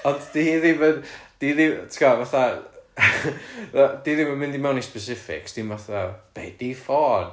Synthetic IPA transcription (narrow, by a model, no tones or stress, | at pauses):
ɔnddiðivədd̥iðitʰkɔvaθa | diðivəmɪ̃ndimɛwnispɛsɪfɪ̰ksd̥imvaθab̥ḛːdifɔːn